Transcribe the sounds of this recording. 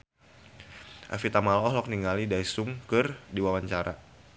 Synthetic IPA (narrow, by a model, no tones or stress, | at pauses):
ʔa̰fit̪amalɔɦlɔk̚niŋalidajsʊŋkɨrdiwawaɲt͡ʃaɾʔa̰